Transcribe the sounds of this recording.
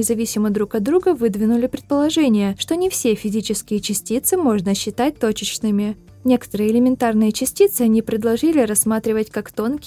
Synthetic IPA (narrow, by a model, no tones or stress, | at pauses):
ɪzɐvʲisʲɪməd̪ɾukɐd̪d̪ɾuɡəvɨd̪vʲɪnʊlʲɪpɾʲɪt̪̚pəlˠɐʐɛnʲɪjəʂt̪o̞nʲɪfsʲe̞fʲɪzʲit͡ɕɪskʲɪjət͡ɕɪsʲtʲit̪sɨmo̞ʐnəɕːɪt̪at̚ʲt̪ot͡ɕɪt͡ɕnɨmʲɪ | nʲe̞kə̥t̪əɾɨjəɪlʲɪmʲɪnt̪arnɨjət͡ɕɪsʲtʲit̪sɨɐnʲipɾʲɪd̪lˠɐʐɨlʲɪɾɐsmat̪ɾʲɪvətʲkakt̪o̞nkʲɪ